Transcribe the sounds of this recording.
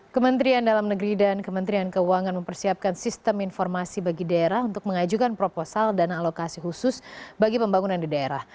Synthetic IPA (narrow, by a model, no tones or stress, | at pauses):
kəmənt̪ɾiandalamnəɡɾidankəmənt̪ɾiankəuaŋanməmpərsiap̚kansist̪əminfɔrmasibaɡidaeɾahunt̪ʊk̚məŋad͡ʒukanpɾoposaldanaːlokasiɦusʊsbaɡipəmbaŋunandidaeɾah